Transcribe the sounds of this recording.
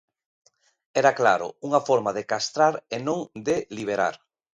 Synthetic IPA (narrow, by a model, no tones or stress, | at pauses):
ɛɾakla̰ɾʊ̰uŋafɔɾmaðekast̪ɾaɾenõŋd̪eliβ̞eɾa̰ɾ